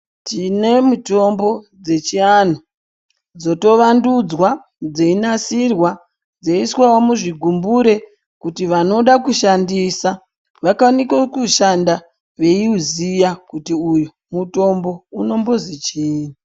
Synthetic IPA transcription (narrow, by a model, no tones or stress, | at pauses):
tine̞mutombo̞ | d͡ze̞t͡ʃian̤o | d͡zo̞to̞ʋandud͡zwa | d͡zeinasirwa | d͡zeiswawo̞muʐiɡʱumbuɾe̞ | kutiʋano̞ɗakuʃandiːsa | ʋakanikokuʃanda | ʋe̞iuzijakutiujo | muto̞mbo̞uno̞mbo̞zit͡ʃiːni